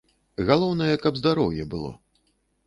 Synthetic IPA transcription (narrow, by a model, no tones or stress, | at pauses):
ɣalˠɔwnɐjɛkɐbzd̪aɾɔwjɛbɨlˠɔ̰